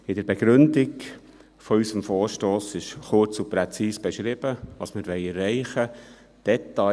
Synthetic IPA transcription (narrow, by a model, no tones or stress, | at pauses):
ɪd̥əɾbɛɡ̥ɾʏndɪɡ | fɔysəmfɔːɾʃtoːsɪʃχʊɾt͡supɾɛt͡siːsb̥ɛʃɾɪb̥əʋɑːsmɪɾʋɛɪɛrːɛɪχə | d̪̥ɛt̪ɑ